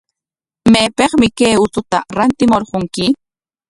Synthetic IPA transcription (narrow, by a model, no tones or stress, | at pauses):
meːpeχmɪkejʊt̪ʊt̪aɾant̪ɪmoɾqoŋkɪ